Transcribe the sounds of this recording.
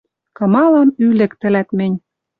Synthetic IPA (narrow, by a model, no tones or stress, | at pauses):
kɤ̆mɑlɑmylɘ̆kt̪ɘ̆læt̪mɘ̆nʲ